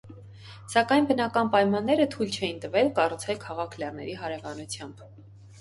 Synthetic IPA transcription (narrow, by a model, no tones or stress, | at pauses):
sɑkɑjnbənɑkɑnpɑjmɑnːɛɾət̪ʰujlt͡ʃʰɛjint̪əvɛlkɑrut͡sʰɛlkʰɑʁɑkʰlɑrnɛ̰ɾiɦɑɾɛvɑnut͡sʰjɑmb̥